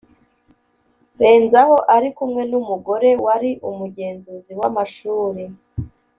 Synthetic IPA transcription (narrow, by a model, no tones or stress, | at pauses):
ɾe̞ːnzaho̞ʔaɾikumŋe̞numuɡo̞ɾe̞waɾiʔumuɟe̞ːnzuziwamaʃuːɾi